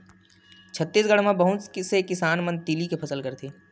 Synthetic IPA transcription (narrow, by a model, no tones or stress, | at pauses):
t͡ʃʰət̪ːiːsɡəɽ̤mãbəɦʊt̪sekɪsaːnmə̃nt̪iːlikepʰɐsəlkəɾt̪ʰiː